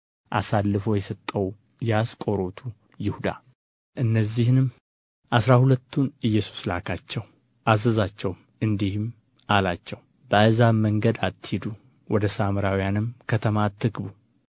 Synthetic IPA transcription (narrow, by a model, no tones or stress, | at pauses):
ʔa̰salːɨfo̞jɛsət̪ʼːəw | jɛaskʼo̞ɾo̞t̪ʰu | jɪhud̪a̰ | ʔɨnːəzːihnɨm | ʔasɾahulət̪ʰːunɨjːɛsu̥slakʰat͡ʃːɛw | ʔazəzat͡ʃːɛwm | ɨnd̪ihɨm | alat͡ʃːɛw | bəazaməŋɡəd̪at̪ːhid̪u | wɔd̪əsamɾawijanɨmkʰət̪ʰəmat̪ʰːɨɡbu